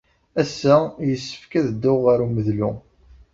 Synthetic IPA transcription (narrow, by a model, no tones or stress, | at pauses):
æsːæjəsːə̥fkæðəd̪ːʊʁaɾuməðlʊ